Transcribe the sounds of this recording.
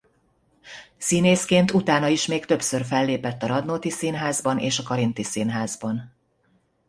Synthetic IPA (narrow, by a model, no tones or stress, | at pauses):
sineːskeːnt̪ut̪aːnɒiʃmeːkt̪ø̞psørfɛlːeːpɛt̪ːɒɾɒd̪noːt̪isiːnɦaːzbɒnḛːʃɒkɒɾint̪isiːnɦaːzbɒn